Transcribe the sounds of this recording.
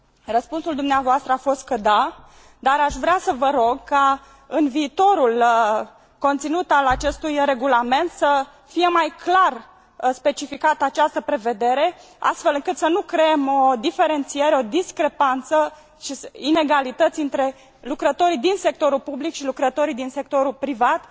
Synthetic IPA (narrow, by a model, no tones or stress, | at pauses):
rəspunsuld̪umneavoast̪ɾəafo̞st̪̚kəd̪a | d̪aɾaʃvɾeasəvəɾo̞ɡka | ɨnviːt̪o̞ɾul | ko̞nt̪sinut̪alat͡ʃe̞st̪ujre̞ɡulame̞nt̪sə | fije̞majklar | spe̞t͡ʃifikat̪əat͡ʃast̪əpɾe̞ve̞d̪e̞ɾe̞ | a̰st̪fe̞lɨŋkɨt̪sənukɾeemo̞d̪ife̞ɾe̞nt̪sije̞ɾeo̞d̪iskɾe̞pant̪sə | ʃisine̞ɡalit̪ət̪sʲɨnt̪ɾe̞ | lukɾət̪o̞ɾid̪inse̞k̚t̪o̞ɾulpublikʃilukɾət̪o̞ɾid̪inse̞k̚t̪o̞ɾulpɾivat̪